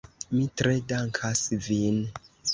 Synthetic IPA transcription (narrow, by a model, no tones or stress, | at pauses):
mitɾedaŋkʰasvin